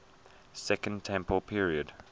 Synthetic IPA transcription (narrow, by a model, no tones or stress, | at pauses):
sɛkə̃ntʰɛ̃mpəlˠpʰiɹiəd̥